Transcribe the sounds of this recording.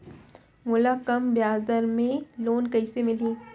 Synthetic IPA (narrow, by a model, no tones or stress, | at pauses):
mʊlakɐmbjaːzd̪əɾmẽloːnkɐɪsemɪliː